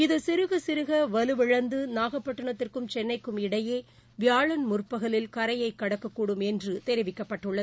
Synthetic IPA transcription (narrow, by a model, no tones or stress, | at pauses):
ɪðɯsɪɾɯɣɐsɪɾɯɣɐʋɐlɯʋɪɻɐnd̪ɯnaːɣɐpːɐʈːɐɳɐt̪ːɪrkɯmt͡ʃɛnːɐɪkːɯmɪɽɐjeː | ʋɪjaːɭɐnmʊrpɐɣɐɭɪlkɐɾɐjɐɪkːɐɽɐkːɐkːuːɽɯmɛndrɯt̪ɛɾɪʋɪkːɐpːɐʈːɯɭːɐðɯ